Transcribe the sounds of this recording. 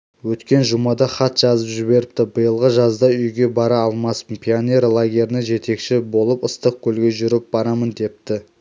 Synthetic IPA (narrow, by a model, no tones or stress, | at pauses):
wɵt̪kʲe̞nʒʊmɑd̪ɑχɑt̪ʒ̥ɑzəpʒɪβe̞ɾɪp̚t̪ɪbəjəlˠʁəʒɑzd̪ɑʏjɡʲe̞bɑɾɑːlˠmɑsənpʰʲionʲe̞ɾlˠaɡʲeɾɪnɪʒe̞t̪e̞kʃɪbo̞lˠəpəst̪əq̚kʲʰɵlɡʲe̞ʒʏɾɪp̚b̥ɑɾɑmənd̪e̞p̚t̪ɪ